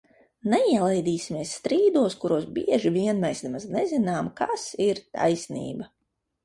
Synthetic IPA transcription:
nɛiɛlˠɛjd̪iːsʲimiɛsːt̪ɾiːd̪uɔskuɾuɔsbiɛʒiviɛnmɛjsnɛmaznɛzinaːmkasiɾt̪a̰jsnḭːba

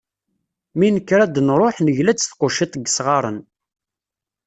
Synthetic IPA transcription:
minəkːɾæd̪nɾˤoħnəʝlæt͡sːθqʊʃit̪ˤəɡːsʁɑɾˤə̰n

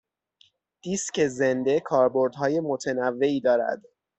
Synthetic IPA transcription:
d̪̥iːsce̞ze̞nd̪e̞kʰɒːɾbo̞ɾd̪ɦɒːje̞mot̪ʰenævːe̞iːd̪ɒːɾæ̰d̪̥

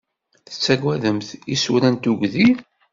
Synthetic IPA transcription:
θə̥t͡sːæɡʷæðəmθisuɾænt̪uɡʷði

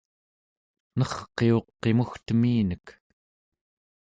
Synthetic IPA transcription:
nʌχqːe̞o̞qːe̞muxt̪əmiːnək

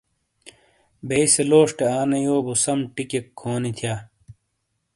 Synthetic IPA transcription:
beiseloːʂʈeaːnejoːbusɐmʈikekʰːoːnit̪ʰjaː

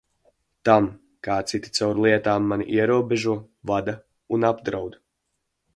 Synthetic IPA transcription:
t̪am | kaːt̪sit̪i̥t̪sawɾlˠiɛt̪aːmːaniʔiɛɾuɔbeʒuɔ | vad̪a | unabd̪ɾawd̪

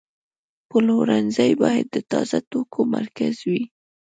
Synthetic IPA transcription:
pəloɾanzajbɑjad̪ːət̪ɑzat̪okʰomaɾkazwi

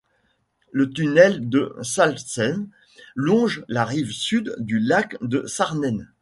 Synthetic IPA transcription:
lət̪ynɛld̪əsalsɛn | lɔ̃ʒlaʁivsyd̪ːylakd̪əsaʁnɛn

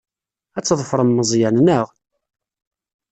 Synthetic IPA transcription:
æt͡sːðˤəfɾˤəmːəzˤjænnəʁ

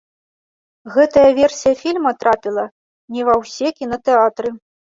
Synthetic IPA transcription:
ɣɛt̪ɐjɐvʲɛrsʲijɐfʲilʲmɐt̪ɾapʲilˠɐ | nʲɛvɐwsʲɛkʲinɐt̪ɛat̪ɾɨ

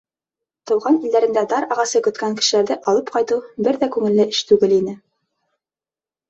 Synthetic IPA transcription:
t̪ɤ̆wʁɑnild̪æɾɘ̆nd̪æd̪ɑɾɑʁɑsɤkɵ̆t̪kæŋkɘ̥̆ʃɘ̆læɾðɘʔɑlˠɤp̚qɑjt̪ɤwbɘɾðækʉŋɘ̆lːɘʔɘʃt̪ʉɡɘlinɘ

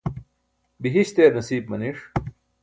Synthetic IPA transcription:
biɦiɕt̪eːɾnɐsiːb̚mɐniʂ

